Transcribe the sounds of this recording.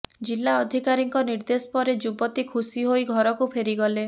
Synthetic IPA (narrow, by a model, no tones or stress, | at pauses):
d͡ʒilːaɔd̪ʱikaɾiŋkɔniɾd̪esɔ̥pɔɾed͡ʒubɔt̪ikʰusiɦoiɡʱɔɾɔkupʰeɾiɡɔle